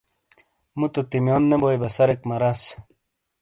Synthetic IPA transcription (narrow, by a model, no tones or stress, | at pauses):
mut̪ut̪imjoːnːembojbɐsɐɾekmɐɾɐs